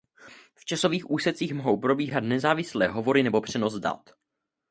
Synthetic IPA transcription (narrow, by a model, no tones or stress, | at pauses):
ft͡ʃaso̞viːxʔuːsɛt͡siːxmoɦo̞wpɾo̞biːɦat̪nɛzaːvɪslɛːɦovo̞ɾɪnɛbo̞pr̝̥ɛno̞zda̰t̪